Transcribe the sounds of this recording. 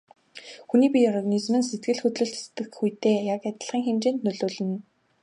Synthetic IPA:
xuniːpʲiɔrɣanizmɘ̆nset̪̚ɡɘ̆ɮxɵt̪ɮɵ̆ɬtst̪ɘ̆xxujt̪eːjakæt̪ə̆ɮχiːŋxemt͡ɕeːnt̪nɵɮoːɮɘ̆n

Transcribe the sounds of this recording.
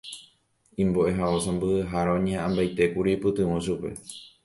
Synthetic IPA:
ĩmboʔe̞ɦaosãmbɨhɨɦaɾaõɲẽʔãmbajt̪e̞kuɾipɨt̪ɨ̃wõʃupe̞̰

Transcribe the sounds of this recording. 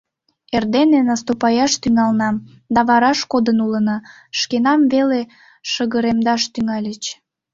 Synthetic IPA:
erd̪enenɑst̪opɑjɑʃt̪yŋɑlnɑm | d̪ɑβɑɾɑʃkod̪ənulənɑ | ʃkenɑmvele | ʃəɣəɾemd̪ɑʃt̪yŋɑlʲət͡ɕ

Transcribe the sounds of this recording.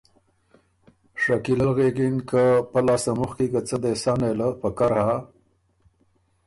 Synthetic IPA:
ʂakilalɣeɡinkəpalɑsamuxkikat͡səd̪esɑneləpəkaɾha

